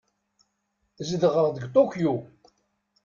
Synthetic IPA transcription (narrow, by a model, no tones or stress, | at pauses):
zðəʁəɾˤðəɡt̪ˤokju